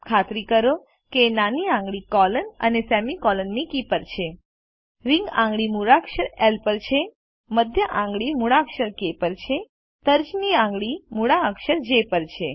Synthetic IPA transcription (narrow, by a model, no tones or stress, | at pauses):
kʰat̪ɾikəɾo | kenaniãŋɡɭikɔlənə̰nesɛmikɔlənːikipəɾt͡ʃʰe | ɾiŋɡã̰ŋɡɭimuɾakʃəɾelpəɾt͡ʃʰe | məd̪ʱjəʔãŋɡɭimuɽakʃəɾkepəɾt͡ʃʰe | t̪əɾd͡ʒniãŋɡɭimuɽaəkʃəɾd͡ʒepəɾt͡ʃʰe